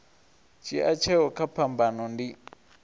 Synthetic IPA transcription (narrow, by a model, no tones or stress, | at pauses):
t͡ʃʰiʔat͡ʃʰɛɔkʰapʰambanɔndi